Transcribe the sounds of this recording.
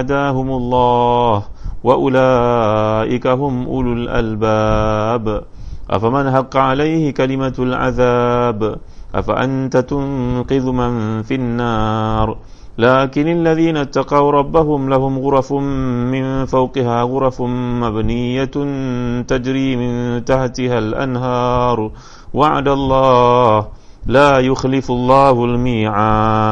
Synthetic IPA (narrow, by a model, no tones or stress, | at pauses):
ad̪aːhʊmʊlˤːɑːhwaʔʊlaːʔɪkaɦʊmʔʊlʊlʔa̰lbab | ʔa̰famanɦɑqːɑʕalajhɪkalɪmalʕa̰ðaːbʔa̰fa̰ʔa̰nt̪at̪ʊnqɨðmanfinːaːɾˤ | laːkɪnʔalːaðiːnat̪ːɑqɑwɾˤɑbːaɦʊmlahʊmɣʊɾˤɑfmɪnfawqɪhaːɣʊɾˤɑfmabnɪjːa | t̪ad͡ʒɾiːmɪnt̪aħt̪ɪhalʔa̰nɦɑːɾˤ | waʕa̰d̪alˤːɑːh | laːjʊxlɪfʊlˤːɑːhʊlmiːʕaː